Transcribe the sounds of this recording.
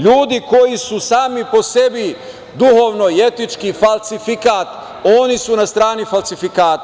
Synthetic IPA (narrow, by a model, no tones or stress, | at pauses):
ʎuːd̪iko̞jisusaːmipo̞se̞bi | d̪uhoːʋno̞ie̞t̪it͡ʃkifalˠsifikaːt̪ | o̞nisunast̪ɾaːnifalsifikaːt̪